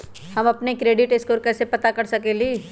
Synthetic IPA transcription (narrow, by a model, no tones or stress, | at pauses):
hɐmɐpnekɾeːɖɪʈɪskoːɾkɛːsepɐt̪akɐɾsɐkeliː